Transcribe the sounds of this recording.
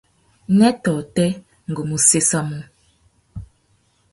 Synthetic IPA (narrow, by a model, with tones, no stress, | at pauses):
nɛ˦tɔ˨tɛ˦ | ŋ̩˨ɡo˨mu˨se˦sa˦mu˦